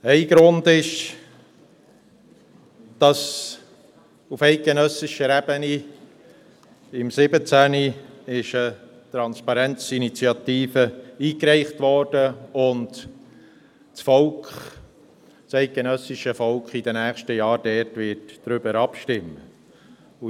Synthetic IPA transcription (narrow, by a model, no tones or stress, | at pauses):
ɛɪɡ̥ɾʊndɪʃ | d̥ɑs | ufɛɪt̚ɡ̥enœsɪʃəɾɛb̥əni | ɪmsɪbət͡sæniɪʃə | t̪ɾɑnspɑɾɛnt͡sinit͡siɑt̪iːfəiːkɾɛɪχtʋɔːrd̥əʊnd | t͡sfɔlkχ | sɛɪt̚ɡ̥enœsɪʃəfɔlkχid̥ənæːχʃtəjɑːɾdɛɾtʋɪtd̥ɾʏbəɾɑpʃtɪmːə | u